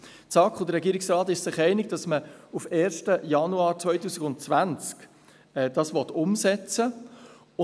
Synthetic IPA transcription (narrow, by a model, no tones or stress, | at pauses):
t͡sɑkχʊdəɾɛɡiːɾɪksɾɑːt̪ɪʃsɪχɛɪnɪɡ̚d̥ɑsməufeːɾʃtəjɑnuɑːɾt͡sʋœʏtuːsɪɡʊntt͡svænt͡sk | ɛːd̥ɑːsʋɔt̪ʊmsɛt͡sə | ʊ